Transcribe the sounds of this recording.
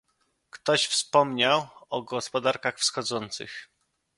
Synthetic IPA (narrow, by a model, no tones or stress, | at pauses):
kt̪ɔɕfspɔmɲawɔɡɔspɔd̪aɾkaxfsxɔd̪zɔnt̪sɘ̰x